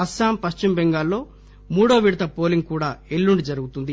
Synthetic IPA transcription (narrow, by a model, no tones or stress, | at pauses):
ɐsaːmpɐʃt͡ʃumbeŋɡaːlːo̞ː | muːɽɐʋɐʋiɽt̪ɐpo̞ːliŋɡ̚kuːɽaːelːuɳɖid͡ʒɐɾuɡut̪und̪i